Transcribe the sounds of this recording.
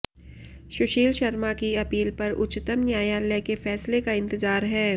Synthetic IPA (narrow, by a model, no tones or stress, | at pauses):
ʃʊʃiːlʃɐɾmakiɐpiːlpɐɾʊ̰t͡ʃt̪əmnjaːjalɛkefɛːslekaɪ̃nt̪ɪzaːɾɦɛː